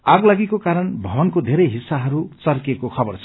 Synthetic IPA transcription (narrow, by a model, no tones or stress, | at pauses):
aɡlaɡikokaɾʌnbʱʌbʌnkod̪ʱeɾʌjɦisːaɦʌɾut͡sʌrkekokʰʌbʌrt͡sʰʌ